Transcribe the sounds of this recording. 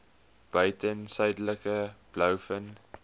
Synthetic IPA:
b̥œɥtənsœjdələkəb̥lœwfən

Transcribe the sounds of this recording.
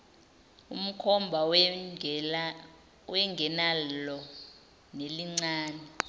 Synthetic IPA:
um̩kʰɔmbʱa | wɛŋɡʱɛnalɔ | neliŋ͡ǀaːnɛ

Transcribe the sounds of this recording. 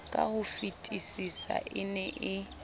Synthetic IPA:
kʼa̰hʊfitʼisisa̰ʔɪnɛʔɪ

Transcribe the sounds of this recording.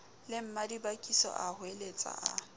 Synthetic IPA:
lɪm̩madibakʼisɔ̰ʔahʊelet͡sʼa̰ʔa

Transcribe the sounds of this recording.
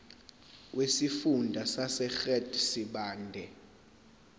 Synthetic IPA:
wʔesifundʱasasɛxɛdʰʼsiɓaːndʱɛ

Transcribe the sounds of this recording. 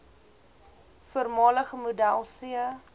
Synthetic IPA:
fuərmɑːləχəmudælˠsiə

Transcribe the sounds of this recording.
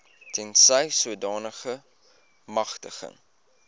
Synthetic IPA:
tʰɛnsəjsuədɑːnəχə | mɐχtəχə̰ŋ

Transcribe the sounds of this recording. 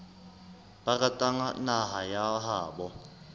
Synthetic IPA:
bakʼatʼaŋa̰naɦajaɦaːbɔ

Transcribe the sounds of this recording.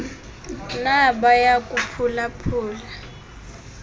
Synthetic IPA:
naɓajakʼupʰulapʰuːla

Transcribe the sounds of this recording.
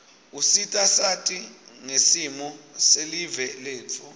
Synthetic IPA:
usitʼasatʼiŋesimɔselivɛleːt͡fʰɔ

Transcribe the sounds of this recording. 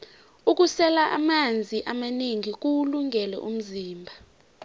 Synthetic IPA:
uk̬ʼusɛlaʔamand͡zʱiʔamaneŋik̬uluŋʱɛlɛ̰ʔṵm̩ziːmbʱa

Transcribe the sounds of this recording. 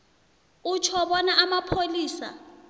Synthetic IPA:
ut͡ʃʰɔɓɔnaʔamapʰoliːsa̰

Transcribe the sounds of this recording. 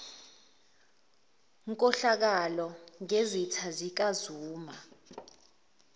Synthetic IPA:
ŋkʼɔɬak̬alɔŋezitʰazik̬ʼazuːma

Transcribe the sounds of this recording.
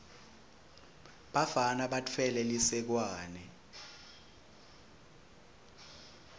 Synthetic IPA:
ɓavanaɓatʰɛlɛlisɛk̬waːnɛ

